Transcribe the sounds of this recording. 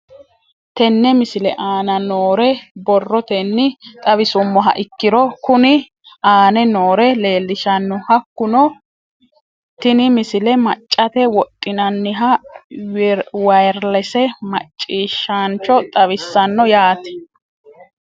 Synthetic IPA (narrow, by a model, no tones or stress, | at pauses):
t̪ɛnːɛmɪsɪlɛʔaːnɐnoːɾɛbɔrːɔt̪ɛnːɪt̪ʼɐβɪsʊmːɔɦɐ̰ʔɪkːɪɾɔkʊnɪ | ʔaːnɛnoːɾɛle̞ːlːɪʃɐnːɔhɐkːʊnɔ | t̪ɪnɪmɪsɪlɛmɐt͡ʃʼːɐt̪ɛwɔt̪ʼːɪnɐnːɪɦɐ | wɐjɾlɛsɛmɐt͡ʃʼːiːʃːant͡ʃːɔt̪ʼɐβɪsːɐnːɔjaːt̪ɛ̥